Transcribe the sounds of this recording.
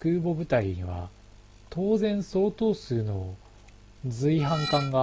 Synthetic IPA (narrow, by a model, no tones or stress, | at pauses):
kɯ̟ːbo̞bɯ̟t̪aiβa̰ | t̪o̞ːzẽ̞ɰ̃so̞ːt̪o̞ːsɨːno̞ | d͡zɨiɦãŋkãŋɡa